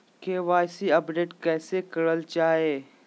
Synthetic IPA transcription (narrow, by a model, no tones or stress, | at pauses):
keʋaːsiɐpɖeːʈkɛːsekɐɽəlt͡ʃaːeː